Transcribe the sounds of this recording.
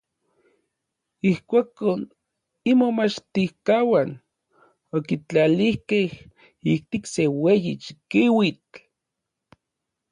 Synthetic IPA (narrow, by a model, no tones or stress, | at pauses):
ihkʷakon | imomat͡ʃt̪ihkawan | okit͡ɬalihkeh | ik̚t̪iksewejit͡ʃi̥kiwit͡ɬ